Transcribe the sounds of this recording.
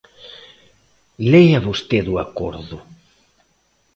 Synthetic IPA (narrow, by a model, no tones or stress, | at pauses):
lejaβost̪eðuako̰ɾðʊ